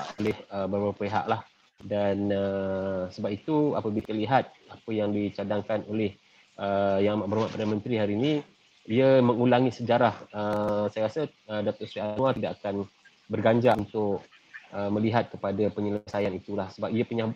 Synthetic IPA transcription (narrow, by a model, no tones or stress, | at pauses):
ʔolɛhəbəɾaapeɦa̰ʔlah | danəsəbap̚it̪ua̰pəbit̪əliɦat̪̚ | apəjaŋdit͡ʃadaŋkanolɛh | ʔəjaŋamaʔbəɾmaʔpəɾamənt̪ɾiɦaɾiːnĩ | iəməŋulaŋisəd͡ʒaɾahəsajaɾasə | ədat̪ɔrsɾianuat̪idakakan | bərɡaɲd͡ʒaʔunt̪ʊk | əmə̃liɦat̪̚kəpadapəɲələsajanit̪ulahsəbapiəpuɲah